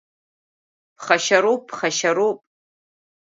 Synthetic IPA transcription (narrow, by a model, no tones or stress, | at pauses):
pʰχaʃaɾup̚ʼpʰχaʃaɾupʼ